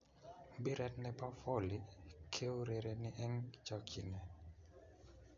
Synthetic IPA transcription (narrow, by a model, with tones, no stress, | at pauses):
bi˦ɾɛ˨tnɛ˨pa˦fɔ˦˨likʰe˦o˦ɾe˨ɾe˨ni˦ʔɛ˦ŋt͡ʃɔ˦kʰi˨nɛ˨